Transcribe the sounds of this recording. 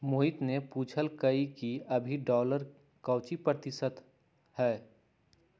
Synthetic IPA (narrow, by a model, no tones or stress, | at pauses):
moːɦɪt̪nepuːt͡ʃʰəlkəikiɐbʱiɖɔːləɾ | kɐːt͡ʃipɾət̪ɪsət̪ | hɛː